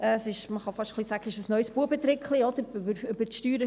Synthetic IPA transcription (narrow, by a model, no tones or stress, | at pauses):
ɛːsɪʃməχɑfɑʃtχlˠisæɡ̥əɪʃəsnœʏsb̥uəbət̪ɾɪkχliɔd̪əɾbəɾʏbəɾʃtyːɾə